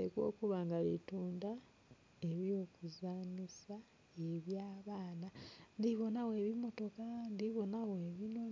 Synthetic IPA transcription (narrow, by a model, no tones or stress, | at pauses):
ekwo̞̰ːkuβaːŋɡalituːnda | e̞βjo̞ːkuzaːnisa | eβjaːβaːnandiβo̞nawe̞ːβimo̞to̞kandiβo̞naweːβino